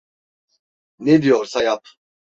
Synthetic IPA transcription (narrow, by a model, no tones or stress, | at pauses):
ned̪ijoɾsajap̚ʰ